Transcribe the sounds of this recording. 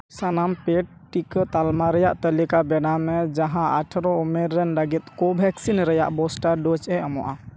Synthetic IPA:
sanampeʈ̚ | ʈːikət̪almaɾɛjaʔt̪əlikabɛnamɛd͡ʒaɦãaʈʰɾɔumɛɾːɛnləɡit̪̚kɔbʱɛksinɾəja̰ʔbɔsʈaɾɖɔt͡ʃɛɔmɔ̰ʔa

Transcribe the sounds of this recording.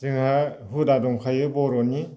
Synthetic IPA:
zɯŋhahudadɔŋkʰajɯbɔɾɔni

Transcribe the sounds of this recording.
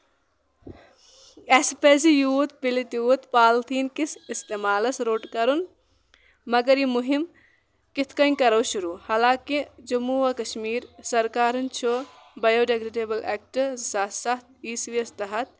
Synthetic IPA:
espeːzijuːt̪̚pilit̪juːt̪paːlt̪ʰiːnkisist̪eːmaːlɐsɾoːʈkɐɾun | mɐɡɐɾimuɦim | kit̪ʰkɐnkɐɾɐwʃuɾuːhaːlãːkid͡ʒumuʋɐkɐʃmiːɾsɐɾkaːɾɐnt͡ʃʰo | bɐjoːɖeɡɾeːɖeːbɐlʔḛːk̚ʈsasɐt̪̚ʰiːsʋijɐst̪ɐɦɐt̪̚

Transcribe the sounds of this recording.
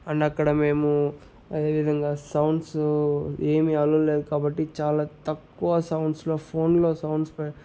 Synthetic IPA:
ɐɳɖɐkːɐɽɐme̞ːmu | ɐd̪e̞ːʋid̪ʱɐŋɡaːsɐwɳɖs | e̞ːmiɐlule̞ːd̪ukaːbɐʈːit͡ʃaːlaːt̪ɐkːuʋɐsɐwɳɖslo̞ːpʰo̞ːnlo̞ːsɐwɳɖspɐ

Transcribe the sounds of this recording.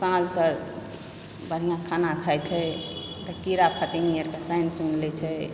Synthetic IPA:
sãd͡ʒkəɾ | bəɽ̤ijãkʰanakʰajt͡ʃʰɛ | t̪əkiɾappʰət̪inijəɾkəsajnsunlɛt͡ʃʰɛ

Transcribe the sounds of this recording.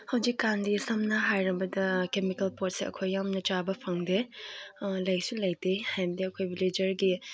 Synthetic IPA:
hɐwd͡ʒikːandisɐmnɐɦajɾɐbɐdɐkemikɐlpoɾt̚seɐ̰kʰojːamnɐt͡ʃabɐpʰɐŋde | lɐjsulɐjdehajbdiɐkʰojbiled͡ʒɐɾɡi

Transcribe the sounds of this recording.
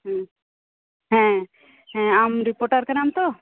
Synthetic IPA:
ɦɛ̃ | ɦɛ̃ | ɦɛ̃amɾipoɾʈaɾkəɾamt̪o

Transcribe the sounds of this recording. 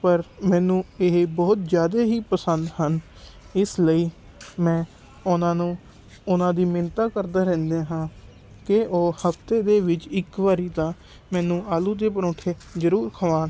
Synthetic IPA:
pəɾmɛ̃ːnũːɪɦebɔːt̪zjaːd̪eːɦiːpəsənd̪hən | ɪsləiː | mɛ̃ː | ʊnãːnũː | ʊnãːd̪iːmɪnt̪aːkəɾd̪aːɾɛ̃ːnd̪eːɦãː | kɪoːhəft̪eːd̪eːʋɪt͡ʃɪkʋaːɾiːt̪ãː | mɛ̃ːnũːaːlũːd̪eːpəɾõːʈʰeːzəɾuːɾkʰəʋãːn

